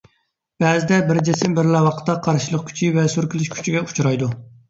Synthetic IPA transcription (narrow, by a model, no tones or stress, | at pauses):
b̥ɛzɪd̪ɛbɪɾd͡ʒesɪmbɪɾlɛwɑqʰə̥t̪ːɑqʰɑɾʃilˠəq̚kʲʰy̥t͡ʃʰivɛsyɾkʲilyʃkʲʰy̥t͡ʃʰiɡʲɛu̥t͡ʃʰuɾɑjd̪u